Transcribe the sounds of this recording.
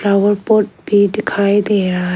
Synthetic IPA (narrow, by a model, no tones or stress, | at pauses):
ɾaʋəɾpoʈ̚bʱid̪ikʰajd̪eɾa